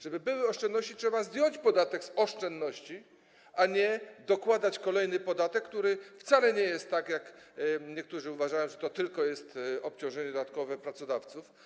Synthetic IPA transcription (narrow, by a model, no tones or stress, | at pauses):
ʐ̥ɛbɘbɘwɘɔʂt͡ʂɛnnɔɕt͡ɕitʂɛbazd̪ʲjɔɲt͡ɕpɔd̪at̪ɛɡsɔʂt͡ʂɛnd̪nːɔɕt͡ɕi | ʔaɲɛd̪ɔkwad̪at͡ɕkɔlɛjnɘpɔd̪at̪ɛkːt̪uɾɘft̪salɛɲɛjɛst̪ːakjakɲɛk̚t̪uʐɘuvaʐajɔ̃ʐɛt̪ɔt̪ɘlkɔjɛst̪ɔpt͡ɕɔ̃w̃ʐɛɲɛd̪d̪at̪kɔvɛpɾat̪sɔd̪aft̪suf